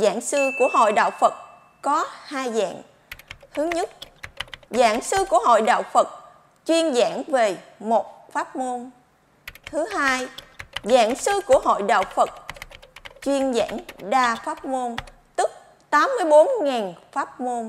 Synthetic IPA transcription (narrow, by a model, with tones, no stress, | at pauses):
za̰ː˧˨ŋsɨ˧ku˧˩əɦo̰˧˨jɗa̰ː˧˨wfə˨˩t̚ | kɔ˨˦haː˧jza̰ː˧˨ŋ | hɨ˨˦əŋɲə˦˥t̚ | za̰ː˧˨ŋsɨ˧ku˧˩əɦo̰˧˨jɗa̰ː˧˨wfə˨˩t̚ | t͡ɕwi˧ənza̰ː˧˩ŋve˨˩mo˨˩t̚faː˦˥t̚mo˧n | t̪ʰɨ˨˦ɦaː˧jza̰ː˧˨ŋsɨ˧ku˧˩əɦo̰˧˨jɗa̰ː˧˨wfə˨˩t̚ | t͡ɕwi˧ənza̰ː˧˩˨ŋɗaː˧faː˦˥t̚mo˧n | t̪ɨ˦˥k̚ | t̪aː˨˦mːɨ˧əjɓo˨˦nŋɛː˨˩nfaː˦˥t̚mo˧n